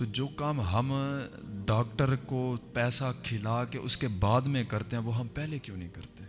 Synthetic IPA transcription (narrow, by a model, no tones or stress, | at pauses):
t̪oːd͡ʒoːkaːmɦɐm | ɖaːkʈəɾkopɛːsakʰɪlakeʔʊskebaːd̪mẽkɐɾt̪eɦɛ̃ʋoːɦɐmpɛːlekjõːnəɦĩkɐɾt̪eɛ̃